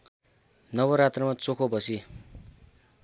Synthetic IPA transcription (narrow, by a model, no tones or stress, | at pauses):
nʌbʌɾat̪rʌmat͡sokʰobʌsi